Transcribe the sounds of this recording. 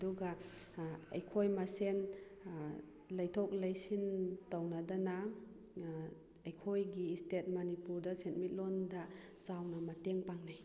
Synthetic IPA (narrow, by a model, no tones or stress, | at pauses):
duɡa | ɐjkʰojmasen | lɐjtʰɔk̚lajsintawnadana | ɐjkʰojɡiːstet̚mɐnipuɾdasentmit̚lɔnda | sawnɐmɐteŋpaŋnaj